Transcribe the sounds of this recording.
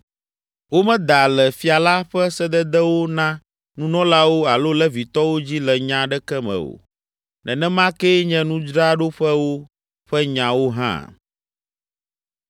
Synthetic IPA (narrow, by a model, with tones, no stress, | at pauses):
wo˦mɛ̃˦d̪a˨lɛ˨fi˨a˨la˦ɸɛ˦sɛ˦d̪ɛ˦d̪ɛ˦wo˦nã˦ | nũ˦nɔ̃˦la˦wo˦a˨lo˦lɛ˦vi˨t̪ɔ˦wo˦d͡ʑi˦lɛ˨ɲã˨ɖɛ˦kɛ˦mɛ̰̃˨o̰˨ | nɛ̰̃˨nɛ̃˦mã˦kɛ˦ɲɛ̃˦nũ˦d͡ʒɾa˦ɖo˦ɸɛ˦wo˦ | ɸɛ˦ɲã˨wo˦ɦã̰˦